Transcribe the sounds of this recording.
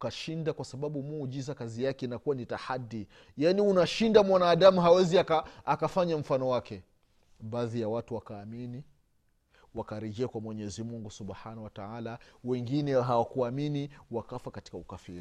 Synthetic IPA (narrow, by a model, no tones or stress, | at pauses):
ukaʃindakwasaɓaɓumuːʄizakazijakɛinakuwanitahadːi | janiunaʃindamwanaːɗamuɦawɛziakaakafaɲam̩fanɔwakɛ | ɓaːðijawatuwakaːmini | wakaɾɛʄɛakwamwɛɲɛzimuŋɡusuɓħanawataalawɛŋɡinɛɦawakuaminiwakafakati̥kaukafiɾi